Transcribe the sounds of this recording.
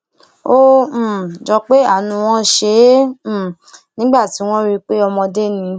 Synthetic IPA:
õ˦˨ | d͡ʒɔ˧k͡pe˦a˦˨nũ˧w̃ɔ̃˦ʃẽ˨˦˨ | nĩ˦ɡ͡ba˦˨ti˨˦w̃ɔ̃˦ɾi˧k͡pe˦ɔ˧mɔ̃˧de˦nĩ˧

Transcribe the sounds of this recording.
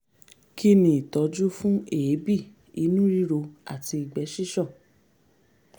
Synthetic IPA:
ki˦nĩ˧i˨tɔ˨˦d͡ʒu˦fũ˦e˨˦bi˦˨ | i˨˦nũ˦ɾi˦ɾo˧a̰˦˨ti˧i˨ɡ͡bɛ˨˦ʃi˦ʃɔ̃˦˨

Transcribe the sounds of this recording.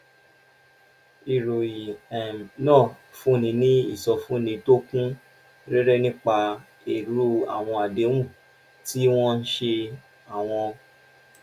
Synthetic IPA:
i˨ɾo˨ji˨ɛ˨nɔ̃˦˨ | fũ˨˦nĩ˧˦nĩ˦ḭ˦˨sɔ˧fũ˨˦nĩ˧to˦kũ˦ | ɾɛ˦ɾɛ˦nĩ˦k͡pa˧ | e˨ɾu˦a̰˨w̃ɔ̃˧a˨de˨˦w̃ũ˦˨ | ti˦w̃ɔ̃˦n̩˦ʃe˧ | a˨w̃ɔ̃˧

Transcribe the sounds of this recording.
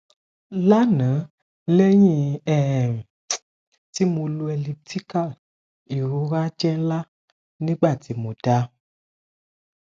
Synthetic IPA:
la˦nã˨˦ | lɛ˦ɲĩ˦ɛ˦˨ | ti˦mõ˧lu˧ɛ˨li˧p̚tʰi˦ka˦˨ | i˨ɾo˨˦ɾa˦d͡ʒɛ˦la˦ | nĩ˦ɡ͡ba˦˨ti˧˦mõ˨da˦

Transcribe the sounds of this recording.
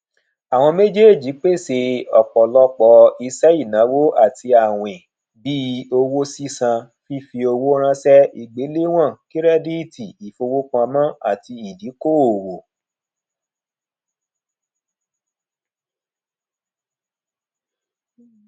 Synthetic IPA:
a˨w̃ɔ̃˧me˦d͡ʒe˦e˦˨d͡ʒi˨˦k͡pe˦˨se˧ɔ˨k͡pɔ˨lɔ˦k͡pɔ˧i˧sɛ˦i˦˨nã˨˦wo˦a˦˨ti˧a˦˨w̃ẽ˨ | bi˦o˧wo˦si˦sã˧ | fi˦fi˧o˧wo˦ɾ̃ã˦sɛ˦i˦˨ɡ͡be˨˦le˦w̃ã˦˨ki˦ɾɛ˦di˦i˦˨tʰi˨i˨fo˧wo˦kã˧mã˦a̰˦˨ti˧i˨di˨˦ko˦˨wo˨

